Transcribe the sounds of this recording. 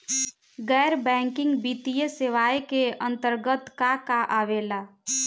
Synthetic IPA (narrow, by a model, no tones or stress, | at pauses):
ɡɛːɾbɛ̃ːŋkɪ̃ŋɡbiːt̪ijəseʋaːjkeə̃nt̪əɾɡət̪kakaʔaːʋeːlaː